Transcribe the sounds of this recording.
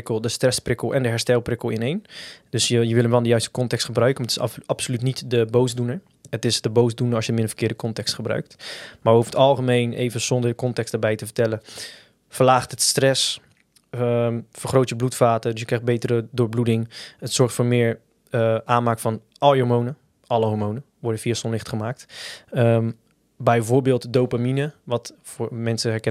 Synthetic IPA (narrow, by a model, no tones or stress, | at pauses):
kəlˠdəstrɛsprɪkəlˠɛndəɦɛɹstɛlˠprɪkəl̩ˠɪnejnd̥ɵsjəjəʋɪlənʋɛlˠndəjœɥstə̥kɔntɛkstχəbrœɥkənmatɪ̥sɑpsolytnitdəbowsdunəɹ | ətɪsdəbowsdunəɹɑsjəmɪndəfəɹkɪːɹdəkɔntɛkstχəbrœ̰ɥk̚tmaɹjəufəətɑlˠχəmejnʔḛjvənz̥ɔndəɹdəkɔntɛksdəɹbɛjtəvəɹtɛlən | fəlaːχtətstrɛs | əfəɹχrowtjəblutfaːtədʏs̬jəkrɛjxd̚bejtərədʊːɹbludɪŋətsɔɹχtfoːɹmɪːɹ | ʔaːnmaːkfɔn | ʔɑloɹmownə | ʔɑləɦɔɹmownə | ʋɔɹdəfiːasɔnlɪχtχəmaːk̚tə | bɛjvʊːɹbɪːlˠtdowpaminəʋɑtfʊːɹmɛnsəɦɛɹkɛ